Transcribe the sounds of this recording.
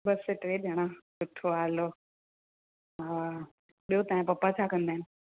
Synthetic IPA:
bɐseʈɾeːɗɐɽ̃ãsʊʈʰoaːlo | a | ɓijot̪aːɪ̃pɐpːat͡ɕʰaːkə̃nd̪aːɦɪnɪ̆

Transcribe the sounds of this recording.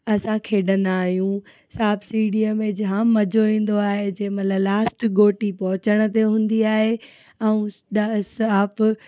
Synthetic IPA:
ɐsãkʰeːɗɐ̃nd̪aːɦijũ | saːbsiːɽiəmẽd͡ʑãmɐd͡ʑʱoʋĩːn̆d̪oaːɦed͡ʑɐ̃ɦmɐləblaːsʈɡoːʈipɐɦʊt͡ɕəɽ̃ət̪̬eɦũːn̆d̪iaːɦe | ɛ̃ũɗsaːp

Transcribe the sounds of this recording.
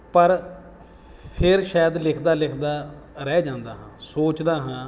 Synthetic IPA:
pəɾ | pʰɪɾʃaːjəd̪lɪkʰd̪aːlɪkʰd̪aː | ɾɛːd͡ʒãːnd̪aːɦãːsoːt͡ʃd̪aːɦãː

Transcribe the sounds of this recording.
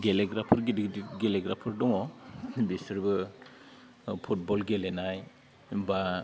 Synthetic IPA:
ɡeleɡɾapʰɯɾɡidɡeleɡɾapʰɯɾdɔŋɔbisɯɾbɯ | pʰut̚bɔlɡelenaj | ba

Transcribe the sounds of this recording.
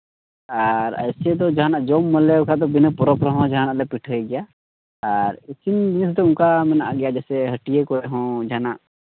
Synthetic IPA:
aɾə̰jsɛd̪ɔd͡ʒaɦanaʔd͡ʒɔmːəlɛukad̪ɔbinəpɔɾɔpɾɔɦɔ̃d͡ʒaɦanaʔlɛpiʈʰɦəɛɡɛjaː | ɾisinbinsd̪ɔũŋkamɛna̰ʔaɡɛjad͡ʒɛsɛɦəʈijekɔɾɛɦɔ̃d͡ʒaana̰ʔ

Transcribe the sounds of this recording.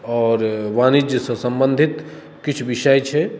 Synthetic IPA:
ɔːɾʋanid͡ʒjəsə̃sə̃mbənd̪ʱit̪ | kit͡ʃʰʋiʃəjt͡ʃʰɛ

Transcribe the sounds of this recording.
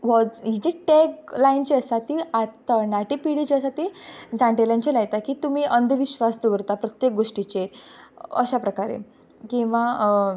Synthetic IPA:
ʋɔd͡zɦid͡ʑeʈɛklajint͡ɕiəsat̪iat̪ənaʈipiɽit͡ɕiəsat̪id͡zãɳʈeljaɲt͡ɕelaɡt̪akiːt̪um̤iːʔənd̪ʱʋiɕʋast̪uʋəɾt̪apɾət̪jek̚ɡoʂʈit͡ɕe | ə̰ɕapɾəkaɾḛ | kĩw̃ʋa

